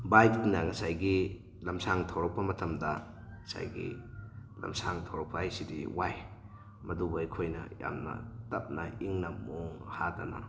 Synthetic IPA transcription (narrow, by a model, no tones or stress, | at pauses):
bajk̚nɐŋɐsajɡi | lɐmsaŋtʰawɾɐk̚pɐmɐtʰɐmdɐ | ŋɐsa̰jɡḭ | lɐ̰msaŋtʰawɾɐk̚pɐajsidḭwaj | mɐdubɐikʰojnɐ̰ja̰mnɐ̰tɐp̚nɐiŋnɐmoŋhadɐna̰n